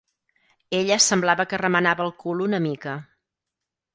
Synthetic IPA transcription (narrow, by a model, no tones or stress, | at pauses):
eʎəsəmblaβəkərəmənaβəlˠkulunəmikə